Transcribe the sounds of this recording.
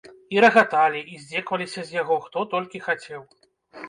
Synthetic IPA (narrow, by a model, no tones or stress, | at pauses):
iɾɐɣat̪alʲiʔizʲd͡zʲɛkvɐlʲisʲɐzʲjaɣɔxt̪ɔt̪ɔlʲkʲixat͡sʲɛw